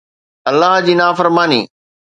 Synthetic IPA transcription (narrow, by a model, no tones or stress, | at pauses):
ɐlːaɦd͡ʑiːnaːfəɾmaːnḭː